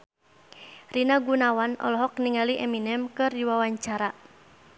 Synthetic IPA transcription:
rinaɡunawanɔ̰lɔɦɔkniŋaliʔɛminɛmkɨrdiwawaɲt͡ʃaɾa

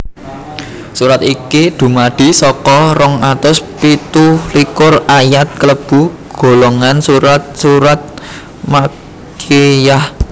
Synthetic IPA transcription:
suɾat̪ikid̪̥ṳmaɖ̪̥i̤sɔkɔɾɔŋat̪ʊspit̪ulikʊrajat̪̚kələb̥ṳɡ̥o̤loŋansuɾat̪̚suɾat̪̚ | ma | kʰijah

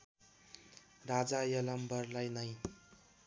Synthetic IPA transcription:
rad͡zajʌlʌmbʌrlajnʌj

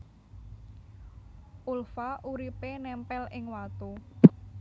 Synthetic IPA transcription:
ʔulfaʔuɾipenɛmpɛlɪŋwat̪u

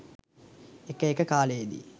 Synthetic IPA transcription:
ekəekəkaːlejed̪ḭ

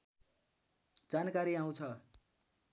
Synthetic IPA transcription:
d͡zankaɾiãw̃t͡sʰʌ

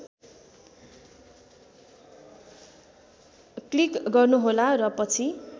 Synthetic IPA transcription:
klikɡʌrnuɦolarʌpʌt͡sʰi

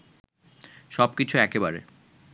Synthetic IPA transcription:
ʃɔb̚kit͡ɕʰuɛkebaɾḛ

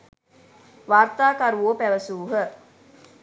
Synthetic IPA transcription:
ʋart̪aːkaɾuoːpæʋəsuːɦə

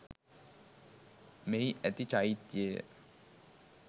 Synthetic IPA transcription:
meiʔɛt̪it͡ʃait̪ijeː

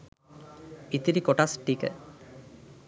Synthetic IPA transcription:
it̪iɾikoʈasʈikə̰

